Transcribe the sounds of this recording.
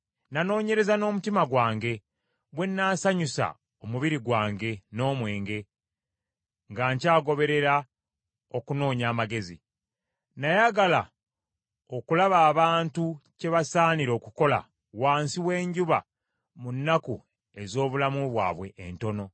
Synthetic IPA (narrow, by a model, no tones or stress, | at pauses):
nano̞ːɲe̞ɾe̞zano̞ːmutimaɡwaːŋɡe̞ | βwe̞nːaːsaɲusa̰ | omuβiɾiɡwaːŋɡe̞no̞ːmwe̞ːŋɡe̞ | ŋɡaɲcaːɡo̞βe̞ɾe̞ɾa | o̞kuno̞ːɲaːmaɡe̞zḭ | najaɡala | okulaβaːβaːntuce̞βasaːniɾo̞ːkuko̞la̰ | waːnsiwe̞ːɲɟuβa̰ | munːaku | e̞zo̞ːβulamuβwa̰ːβwe̞ʔːnto̞no̞